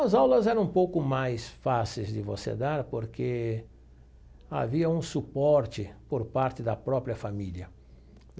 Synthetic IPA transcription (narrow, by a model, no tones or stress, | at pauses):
ɐzawlɐzɛɾɐ̃ũpowkʊmajsfasejzd̪ɪvo̰sḛd̪aɾpoɾke | a̰viɐũsupɔɾt͡ʃɪpoɾpaɾt̪ɪd̪ɐpɾɔpɾijɐfamiljɐ